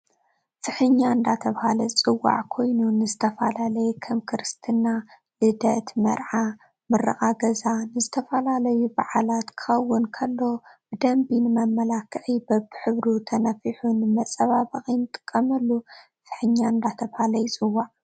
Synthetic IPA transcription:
fɨħɨɲːaɨnd̪at̪ʰɐβhalɐt͡sʼɨwa̰ʕkʰo̞jnunɨzɨt̪ʰɐfa̰lalɐjɛkʰɐmkʰɨɾɨst̪ʰɨna | lɨd̪ɐt̪mɐ̰ɾʕa | mɨrːɐ̰ʔʼaɡɐzanɨzɨt̪ʰɐfɐlalɐjubaʕalat̪kʰɨ̥xɐwːʊnkʰɐlːo̞b̥ɨd̪ɐmbinɨmɐmːɐlakʰːɨʕibɐβħɨβɾut̪ʰɐnɐfiħunɨmɐt͡sʼɐβaβɐχʼint̪ʼɨ̥kʼːɐmɐlːu | fɨ̥ħɨɲːaɨnd̪at̪ʰɐβhalɐjut͡sʼɨwːaʕ

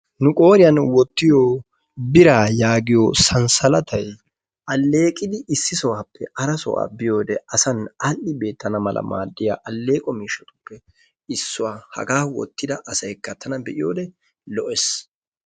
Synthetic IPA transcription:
nʊkʼo̞ːɾɪjɐnwɔt̪ːɪjoː | bɪɾaːjaːɡɪjosɐnsɐlɐt̪ʰɐj | ʔɐlːe̞ːkʼɪd̪ɪʔɪsːɪsɔwaːpːɛʔɐɾɐsɔ̰wa̰ːbɪjo̞ːd̪ɛɐsɐnɐlːɪbe̞ːt̪ːɐnɐmɐlɐ̰ma̰ːd̪ːɪja̰ːʔɐlːe̞ːkʼɔmiːʃɐt̪ʊ̥pːɛ | ɪsːʊwaːhɐ̰ɡaːwɔ̰t̪ːɪd̪ɐʔɐsɐjkːɐt̪ʰːɐnɐbɛʔɪjo̰ːd̪ɛ | lɔʔɛs

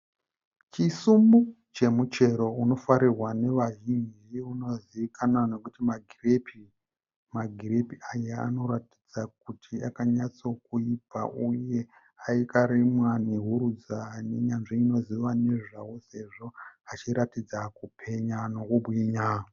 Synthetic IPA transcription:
t͡ʃisumbu | t͡ʃe̞mut͡ʃe̞ɾo̞uno̞faɾirwane̞ʋaʒind͡ʒiuno̞ziʋikʰanano̞kutimaɡʱirepi | maɡʱirepiajea̰no̞ɾati̥d͡zak̚utʰiakaɲat͡so̞kuipa̰ʔuje̞ | aikaɾimwaneɦuɾud͡zane̞ɲanʐiːno̞ziʋane̞ʐawose̞ʐo̞at͡ʃiɾatid͡zakupʰe̞ɲano̞kuɓwiːɲa

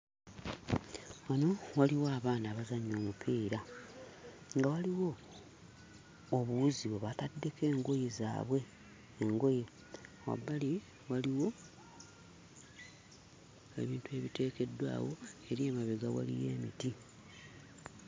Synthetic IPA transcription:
wano̞waliwaːβaːnaβazaɲo̞ːmupʰiːɾa | ŋɡawaliwo̞ | βuuziβeβatadːe̞ke̞ːŋɡo̞jeza̰ːβwe̞ː | ŋɡo̞je | wa̰bːali | waliwo̞ | ḛβiːntue̞βite̞ːke̞dwa̰ːwo̞e̞ɾiemaβeɡawa̰lḭje̞̰ːmḭti

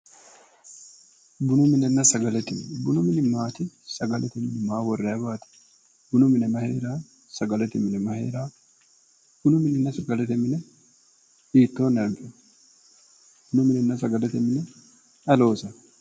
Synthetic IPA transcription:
bʊnʊmɪnɛnːɐsɐɡɐlɛt̪ɪmɪnɛbʊnʊmɪnɪmaːt̪ɪsɐɡɐlɛt̪ɛmɪnɛmaːwɔrːɐɐbaːt̪ɪ̥ | b̥ʊnʊmɪnɛmɐheːɾaː | sɐɡɐlɛt̪ɛmɪnɛmɐhḛːɾaː | b̥ʊnʊmɪnɛnːɐsɐɡɐlɛt̪ɛmɪnɛ | iːt̪ːoːnːɐmfɪ | b̥ʊnʊmɪnɛnːɐs̬ɐɡɐlɛt̪ɛmɪnɛ | ɐlo̞ːsɐ

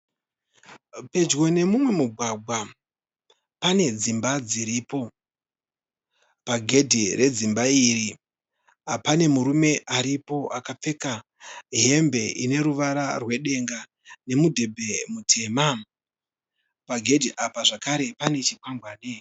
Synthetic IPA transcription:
pe̞d͡ʒɣo̞ne̞mumwe̞muɡʱwaɡʱwa | pane̞d͡zimbad͡ziɾiːpo̞ | paɡʱe̞dʱire̞d͡zimbairi | apane̞muɾume̞ʔaɾipo̞ʔakap͡fe̞ka | ɦe̞mbe̞ʔine̞ɾuʋaɾarwe̞ɗe̞ŋɡa | ne̞mudʱe̞bʱe̞mutʰe̞ːma | paɡʱedʱiʔapaʐakaɾe̞pane̞t͡ʃikwaŋɡwaːne

